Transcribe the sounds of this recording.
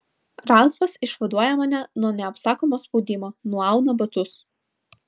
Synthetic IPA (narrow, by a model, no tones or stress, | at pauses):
ɾɑˑlˠfɐsɪʃʋɐd̪uɔjɛmɐnʲɛnuɔnʲɛɐpsɑːkoːmoːspɔʊd̪ʲɪmoːnuɔɑˑʊnɐbɐt̪ʊs